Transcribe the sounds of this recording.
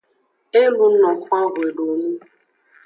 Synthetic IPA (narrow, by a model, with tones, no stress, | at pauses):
e˦lu˦nɔ̃˨fã˦ɾwe˨ɖo˨nĩ˦